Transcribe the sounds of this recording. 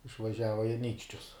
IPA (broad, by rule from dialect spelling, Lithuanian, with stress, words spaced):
ɪʃʋɐˈʒʲæːʋɐ ɪ ɐˈnʲiːkʃʲt͡ʃʲʊs